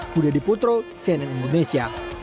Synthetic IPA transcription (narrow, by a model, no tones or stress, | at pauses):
kudadiput̪ɾosɛnɛnindonesia